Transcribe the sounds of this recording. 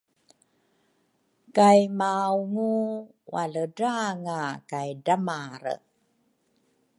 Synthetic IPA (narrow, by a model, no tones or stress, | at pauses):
kajmawŋu | wa̰lədaŋakajdamaɾə̰